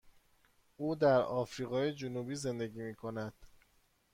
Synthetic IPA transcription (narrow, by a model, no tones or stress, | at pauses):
ʔuːd̪æɾɒːfɾiːɣɒːjed͡ʒonubiːze̞nd̪e̞ɟiːmiːkʰo̞næd̪̥